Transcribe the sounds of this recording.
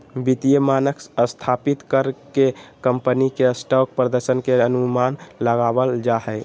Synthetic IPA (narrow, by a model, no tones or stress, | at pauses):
bit̪ijəmanəksəst̪ʰapit̪kəɾkekəmpənikesʈɔk̚pɾəd̪əɾsənkeənumanləɡabəld͡ʒaɦɛɪ